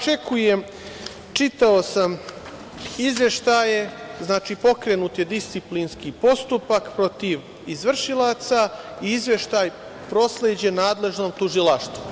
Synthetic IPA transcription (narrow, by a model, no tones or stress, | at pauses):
t͡ʃe̞kujem | t͡ʃit̪aosam | izʋje̞ʃt̪ajeznaːt͡ʃipo̞kɾenuːt̪jed̪ist̪siplinskipo̞st̪upakpɾo̞t̪iʋ | izʋr̩ʃilˠat̪saiizʋe̞ʃt̪aːj | pɾo̞sleːd͡ʑe̞naːd̪le̞ʒno̞ːmt̪uʒilaʃt̪ʋu